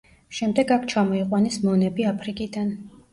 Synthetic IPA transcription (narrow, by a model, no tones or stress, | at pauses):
ʃɛmd̪ɛɡakʰt͡ʃʰamɔiqʼwanismɔnɛbiapʰɾikʼid̪an